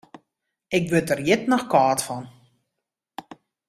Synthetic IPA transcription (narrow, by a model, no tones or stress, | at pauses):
ɪkʋøtərjɪtnɔxkaːtfɔn